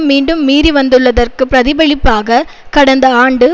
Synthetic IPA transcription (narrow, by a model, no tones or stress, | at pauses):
miːɳɖɯmːiːɾiʋɐnd̪ɯɭːɐðɐrkɯpːɾɐðɪbɐɭɪpːaːɣɐkɐɽɐnd̪ɐaːɳɖɯ